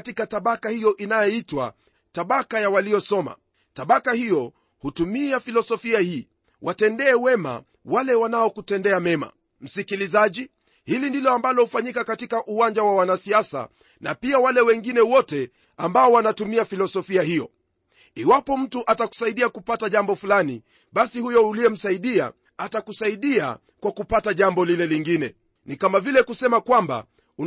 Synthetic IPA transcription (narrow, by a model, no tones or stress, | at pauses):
tikataɓakahijɔʔinajɔitwa̰ | taɓakajawalijɔsɔma̰ | taɓakahijɔ | hutumiafilɔsɔfiahiː | wʔatɛndɛːwɛma̰ | walɛwanaɔkutɛndɛamɛma̰ | m̩sikilizaʄi | hilindilɔambalɔhufaɲikakatikaʔuwaɲd͡ʒawawanasiasa̰ | na̰piawalɛwɛŋɡinɛwɔtɛ | ambaɔwanatumiafilɔsɔfiahijɔ | iwapɔm̩tuʔataku̥saiɗiakupataʄambɔfulani | ɓasihujɔuliɛm̩saiɗia̰ | atakusaiɗia̰ | kwakupataʄambɔlilɛliŋɡinɛ̰ | nikamavilɛkusɛmakwamba̰ | u